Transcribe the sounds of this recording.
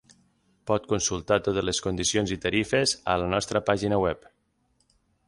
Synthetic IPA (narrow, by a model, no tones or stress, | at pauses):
pɔt̪kunsulˠt̪at̪ot̪əzleskund̪isionzit̪əɾifezə̰lənɔst̪ɾəpaʒinəwɛp